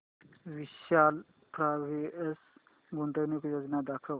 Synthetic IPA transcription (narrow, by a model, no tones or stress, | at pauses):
ʋiɕal | pɾaʋees | ɡunt̪ənikjod͡znad̪akʰəʋ